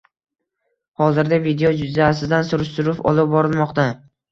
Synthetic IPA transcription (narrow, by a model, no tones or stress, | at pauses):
hɒzɪɾd̪avid̪eod͡ʒʊzaːsɪzd̪ansʊɾɪʃt̪ʊɾʊpɒ̰lˠɪp̚bɒɾɪlˠmɒqt̪a